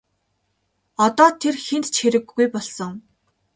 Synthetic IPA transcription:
ɔt̪ɔːt̪ʰerxent̪t͡ɕxeɾɘ̆ɡːujpɔɮsɞ̆ŋ

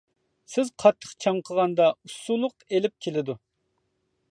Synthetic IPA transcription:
sɪzqʰɑt̪ʰːə̥χt͡ʃʰɑɴqʰəʁɑnd̪ɑusulˠʊqelɪp̚kʲʰelɪd̪u

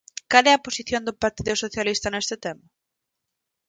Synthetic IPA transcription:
kalɛɐposiθjond̪ʊpaɾt̪iðʊsoθjalist̪ɐnest̪ɪt̪ɛma

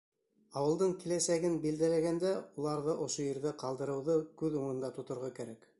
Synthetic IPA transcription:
ɑwɤ̆lˠd̪ɤɴkilæsæɡɘnbild̪ælæɡænd̪æulˠɑɾðɤʔŏʃojɘ̆ɾðɘqɑlˠd̪ɤ̆ɾɤ̆wðɤkʉðuɴɤ̆nd̪ɑt̪ŏt̪ŏɾʁɑkæɾæk

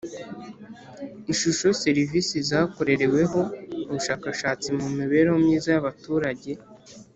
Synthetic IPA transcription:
iʃuʃo̞se̞ɾivisizaːko̞ɾe̞ɾe̞we̞ɦo̞uβuʃaːkaʃaːt͡simumiβe̞ɾowomɲiːzajaβatuːɾaɟe̞

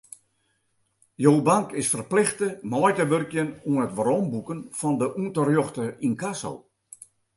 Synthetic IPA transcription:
joːbaŋkɪsfərplɪxtəmɔjtəʋørkjənuənətʋərɔmbukənfɔndəʔuəntərjoxtəinkaso̰l

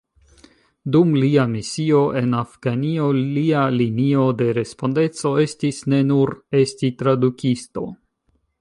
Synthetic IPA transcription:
dumliamisio̞ʔe̞nafɡ̥anio̞ialinio̞de̞ɾe̞spo̞nde̞t͡so̞e̞stisne̞nuɾe̞stitɾadukisto̞̰

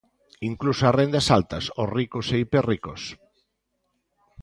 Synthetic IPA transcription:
iŋklusoarend̪asalt̪ɐsorikoseiperikos

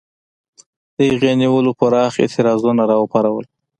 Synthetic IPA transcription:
d̪̥əɣjɑniwəlopəɾɑxɪ̰t̪ʰɪɾɑzunaɾɑəpaɾawəl

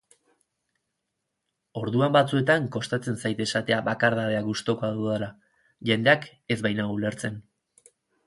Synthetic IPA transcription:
o̞ɾðuambat͡sue̞t̪aŋko̞st̪at͡se̞nsajt̪e̞sat̪e̞aβakaɾðaβe̞aɡust̪o̞ko̞aðuðala | ʝe̞nd̪e̞ak | e̞zβajnaule̞ɾt͡se̞n

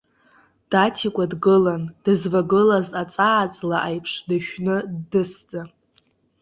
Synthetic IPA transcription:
d̥atʰikʷʼadɡɨland̥ɨzvaɡɨlazʼat͡sʼaːt͡sʼlaʔajpʰʂʰdaʃᶣnɨdɨsd͡zʼa

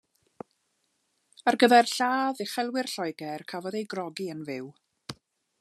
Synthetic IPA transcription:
arɡəðɛrɬaːðɪχɛlˠwɪrɬɔjɡɛrkʰavɔdejɡrɔɡiənvɪw

